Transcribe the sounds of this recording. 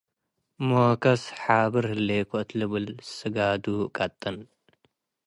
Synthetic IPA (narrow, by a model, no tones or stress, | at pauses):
mokʰɐsħabɨɾhɨlːekʰoʔɨt̪lɨβɨlsɨɡad̪ukʼɐt̪ʼːɐn